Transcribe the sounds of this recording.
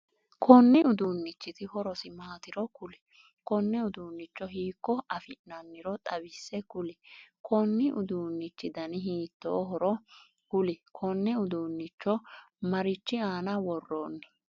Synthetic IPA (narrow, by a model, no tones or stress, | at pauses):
kʰɔnːɪʊd̪uːnːɪt͡ʃːɪt̪ɪhɔɾɔsɪmaːt̪ɪɾɔkʊlɪ̥ | kɔnːɛʊd̪uːnːɪt͡ʃːɔɦiːkːɔɐfɪʔnɐnːɪɾɔt̪ʼɐbɪsːɛkʊlɪkʰɔnːɪʔʊd̪uːnːɪt͡ʃːɪd̪ɐnɪɦiːt̪ːo̰ːɦɔɾɔ | hʊlɪkʰɔnːɛʊd̪uːnːɪt͡ʃːɔ | mɐɾɪt͡ʃːɪaːnɐwɔrːoːnːɐ